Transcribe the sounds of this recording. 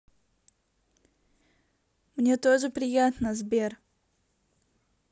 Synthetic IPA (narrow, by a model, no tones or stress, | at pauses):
mnʲe̞t̪o̞ʐɨpɾʲɪjat̪nəzbʲe̞r